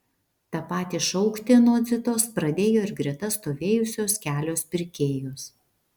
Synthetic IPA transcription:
t̪ɑpɑːt̪ʲiʃɔʊkt̪ʲɪnoɔd̪zʲɪt̪oːspɾɐd̪ʲeːjoːɪɾɡɾʲɛt̪ɐst̪oːʋʲeːjʊsʲoːskʲæːlʲoːspʲɪɾʲkʲeːjoːs

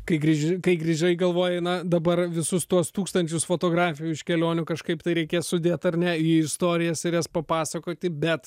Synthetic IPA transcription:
kɐɪɡɾʲiʒʲɪkɐɪɡɾʲiʒʲɛɪɡɐlˠʋoːjɛnɐd̪ɐbɐrʋʲɪsʊst̪uɔst̪uːkst̪ɐnʲt͡ʃʲʊsfoːt̪oːɡɾɑːfʲɪjuːɪʃkʲɛlʲoːnʲʊkɐʃkɐɪpt̪ɐɪɾʲɛɪkʲeːssʊd̪ʲeːt̪ɐrnʲɛjiɪst̪oːɾʲɪjɛsɪjɛspɐpɑːsɐkoːt̪ʲɪbʲɛt̪

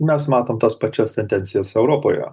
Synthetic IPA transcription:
mʲɛsmɑːt̪oːmt̪ɐspɐt͡ʃʲost̪ʲɛnʲd̪ʲɛnʲt̪ʲɪjoːsɛʊɾoːpoːjɛ̰

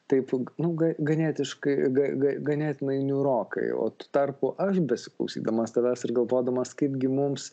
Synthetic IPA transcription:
t̪ɐɪpnʊɡɐɡɐnʲeːt̪ʲɪʃkɐɪɡɐɡɐɡɐnʲeːt̪ʲɪnɐɪnʲuɾoːkɐ̰ɪo̰ːt̪u̥ːt̪ɐrpʊʔɐʃbʲɛsʲɪ̥klˠɐ̰ʊsʲḭːd̪ɐmɐst̪ɐʋɐsɪrɡɐlˠʋoːd̪ɐmɐskɐɪpɡʲɪmʊms

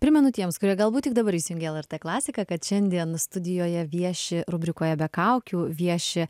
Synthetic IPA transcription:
pʲɾʲɪmʲɛnʊt̪ʲiɛmskʊɾʲiɛɡɐlˠbuːt̪ʲɪkd̪ɐbɐɾiːsʲɪjʊŋɡʲɛlˠɛrt̪eːklˠɑːsʲɪkɐkɐt̪ʃʲɛnʲd̪ʲiɛnst̪ʊd̪ʲɪjoːjɛʋʲiɛʃʲɪɾʊbʲɾʲɪkoːjɛbʲɛkɐʊkʲuːʋʲiɛʃʲɪ

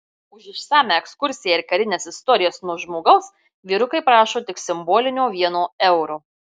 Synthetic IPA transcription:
ʊʃɪʃsɑːmʲæˑɛkskʊɾʲsʲɪjæɪɾkɐɾʲɪnʲeːsɪst̪ɔɾʲɪjoːsnuɔʒmoːɡɐʊs | ʋʲiːɾʊkɐɪpɾɑːʃoːt̪ʲɪksʲɪmboːlʲɪnʲoːʋʲiɛnoːɛʊɾuː

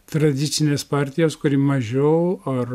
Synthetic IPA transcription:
t̪ɾɐd̪ʲɪt̪sʲɪnʲeːspɑːɾʲt̪ʲɪjoːskʊɾʲiːmɐʒʲɛʊɐr

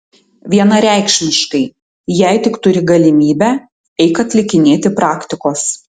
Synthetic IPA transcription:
ʋʲiɛnɐɾʲæˑɪkʃʲmʲɪʃkɐɪ | jɛˑɪt̪ʲɪkt̪ʊɾʲɪɡɐlʲɪmʲiːbʲæ | ɛɪkɐt̪ʲlʲɪkʲɪnʲeːt̪ʲɪpɾɑːkt̪ʲɪkoːs

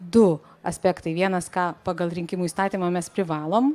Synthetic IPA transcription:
d̪ʊ | ɐ̰sʲpʲæːkt̪ɐɪʋʲiɛnɐskɑːpɑːɡɐlˠɾʲɪŋʲkʲɪmuːiːst̪ɑːt̪ʲiːmɑːmʲɛspʲɾʲɪʋɑːlˠoːm

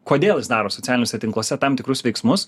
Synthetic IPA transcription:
koːd̪ʲeːlˠjɪsd̪ɑːɾoːsɔt͡s̪ʲæːlʲɪnʲoːsʲɛt̪ʲɪŋklˠoːsʲɛt̪ɐmt̪ʲɪkɾʊsʋʲɛɪksmʊs

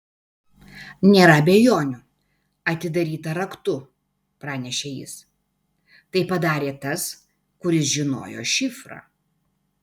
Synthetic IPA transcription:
nʲeːɾɐɐbʲejoːnʲʊ | ɐt̪ʲɪd̪ɐɾʲiːt̪ɐɾɐkt̪ʊ | pɾɑːnʲɛʃʲeːjɪ̰s | t̪ɐɪpɐd̪ɑːɾʲeːt̪ɐs | kʊɾʲɪsʒʲɪno̰ːjo̰ːʃʲɪfɾɑ̰ː

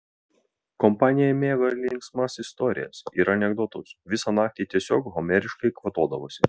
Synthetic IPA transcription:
kɔmpɑːnʲɪjɛmʲeːɡɐlʲɪŋksmɑsɪst̪ɔɾʲɪ̰jɛ̰sḭɾɐnʲɛɡd̪ɔt̪ʊsʋʲɪsɑnɑːk̚t̪ʲiːt̪ʲiɛsʲoːkɦɔmʲɛɾʲɪʃkɐɪkʋɐt̪oːd̪ɐʋoːsʲɪ

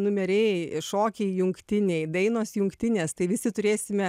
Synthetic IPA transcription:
nʊmʲɛɾʲɛːʃoːkʲɛɪjʊŋktt̪ʲɪnʲɛɪd̪ɐɪnoːsjʊŋkt̪ʲɪnʲeːst̪ɐɪʋʲɪsʲɪt̪ʊɾʲeːsʲɪmʲɛ

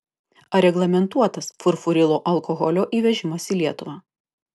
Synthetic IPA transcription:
ɐɾʲɛɡlˠɐmʲɛnt̪uɔt̪ɐsfʊɾfʊɾʲɪlˠoːʔɐlˠkɔɣɔlʲoːʔiːʋʲɛʒʲɪmɐsiːlʲiɛt̪ʊʋɑː

